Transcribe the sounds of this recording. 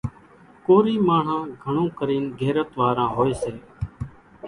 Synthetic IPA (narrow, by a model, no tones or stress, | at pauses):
koːɾiːmaːɳ̤ãːɡʱəɳõːkəɾiːnɡʱeːɾət̪ʋaːɾãːɦoːeːseː